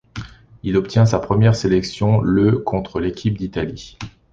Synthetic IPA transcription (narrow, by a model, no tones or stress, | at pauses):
ilɔpt̪jɛ̃sapχəmjɛʁselɛksjɔ̃løkʰɔ̃t̪χəlekʲʰip̚d̪it̪ali